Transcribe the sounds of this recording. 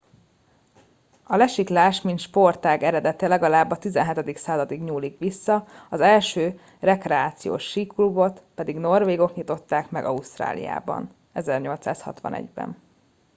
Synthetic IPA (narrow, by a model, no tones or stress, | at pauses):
ɒlɛʃiklaːʃminʃpo̞rt̪aːɡɛɾɛd̪ɛt̪ɛlɛɡɒlaːbːɒt̪izɛnɦɛt̪ɛd̪iksaːzɒd̪iɡɲuːlikʋisːɒɒzɛlʃøː | rɛkrɛaːt̪sijo̰ːʃːiːklubo̞t̪pɛd̪iɡno̞rveːɡo̞kɲit̪o̞t̪ːaːkmɛ̰ɡɒust̪ra̰ːlḭja̰ːbɒ̰n | ɛzɛrɲo̞lt̪saːshɒ̰t̪ʋɒ̰nɛ̰ɟbɛ̰n